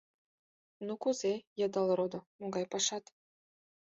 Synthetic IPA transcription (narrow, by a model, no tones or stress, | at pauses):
nukuzejɑ̆d̪ɑlɾod̪ŏmoɡɑjpɑʃɑt̪